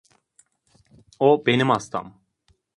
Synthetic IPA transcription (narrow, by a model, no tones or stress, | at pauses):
obenəmast̪a̰m